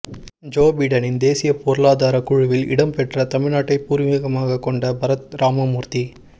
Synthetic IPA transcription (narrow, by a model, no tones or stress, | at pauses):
d͡ʒoːbɐɪɽɐnɪnd̪eːsɪjɐpoɾɐlaːðaːɾɐkʊɻʊʋɪlɪ̰ɽɐmpɛʈrɐt̪ɐmɪɻnaːʈːɐɪpːuːɾɪmiːɣɐmaːɣɐkːɔɳɖɐbɐɾɐt̪̚ɾʔaːmɐmuːɾt̪i